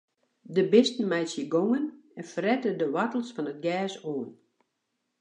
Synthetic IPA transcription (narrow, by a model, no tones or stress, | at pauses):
dəbɪstn̩mɛjsjəɡoŋənɛnfərɛtədəʋatəl̩ˠsfɔnət̚ɡɛːsoən